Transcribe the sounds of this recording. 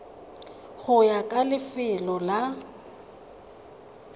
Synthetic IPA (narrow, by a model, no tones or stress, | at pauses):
ɣʊjakʼalɪfɪlɔla